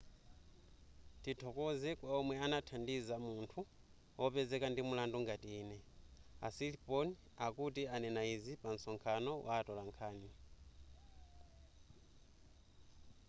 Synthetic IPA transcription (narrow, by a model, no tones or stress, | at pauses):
titʰɔkɔzɛkwaɔmwɛanatʰandizamuntʰu | ɔpɛzɛkandimulandɔŋɡatiiːnɛa̰silipɔni | akutianɛnaizipan̩sɔŋkʰanɔwʔaːtɔlaŋkʰaːni